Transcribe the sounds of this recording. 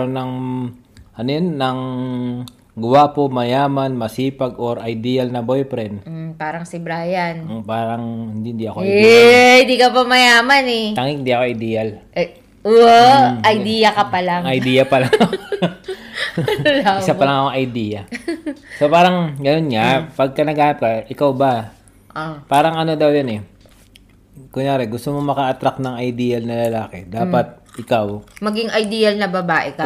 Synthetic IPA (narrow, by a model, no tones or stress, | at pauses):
ɾonɐŋ | ʔɐnojonːɐŋ | ɡʊwapomɐjaːmɐnmɐsiːpɐɡoɾʔɐjd̪ijɐlnɐbojpɾɛn̩paːɾɐŋsɪbɾajanpaːɾɐŋhɪnd̪ihɪnd̪iɐkoʔɐɪ̃nd̪ikɐpɐmɐjaːmɐnɛaŋɪ̃ŋɪnd̪iɐkoʔɐjd̪iːjɐl | ʔoʔɐjd̪iːjɐkɐpɐlaŋɐjd̪ijɐpɐlaŋ | lɪsapɐlɐŋɐkoŋʔɐjd̪iːjɐ | sopaːɾɐŋɡɐno̞nŋɐpɐɡ̚kɐnɐɡaːnɐp̚kɐʔɪkawbɐ | ʔopaːɾɐŋɐno̞d̪ɐwjonɛ | kʊŋjaːɾɛɡʊst̪omomɐkɐʔɐt̪ɾak̚nɐŋɐjd̪iːjɐlnɐlɐlaːkɛd̪aːpɐt̪̚ | ʔɪkawmɐɡiŋʔɐjd̪iːɐlnɐbɐbaːʔɛkɐ